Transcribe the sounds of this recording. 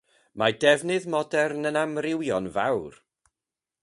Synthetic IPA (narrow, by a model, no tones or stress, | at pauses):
madɛvnɨðmɔdɛrnənamrɪwjɔnvawr